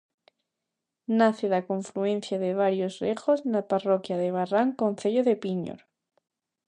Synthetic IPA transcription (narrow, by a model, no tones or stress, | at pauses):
naθeðakõɱfluẽn̟θjaðeβ̞aɾjozrexoznaparokjaðeβ̞araŋkonθeʎoðepiɲo̰ɾ